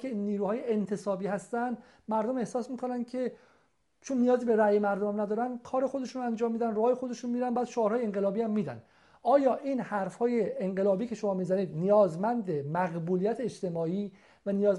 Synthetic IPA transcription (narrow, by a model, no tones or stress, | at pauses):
eniːɾuːhɒːjeent̪ʰe̞sɒːbiːhæst̪ænd̪ | mæɾd̪ome̞hsɒːsmiːkʰonæn̥cʰe̞ | t͡ʃʰonːijɒːziːbe̞ɾæjemæɾd̪omæmnæd̪ɒːɾænkʰɒːɾe̞xo̞d̪e̞ʃunɾænd͡ʒɒːmːiːd̪ænroɒːjexo̞d̪e̞ʃunmiːɾænbæːd̪̥ʃoɒːɾhɒːjeeŋɢelɒːbiːæmːiːd̪æ̰n | ʔɒːjɒːʔiːnhæɾfhɒːjeːŋɢe̞lɒːbiːcʰe̞ʃomɒːmiːzæniːd̪nijɒːzmænd̪emæɣbuːlijæt̪ʰeːt͡ʃt̪e̞mɒːiː | vænijɒːz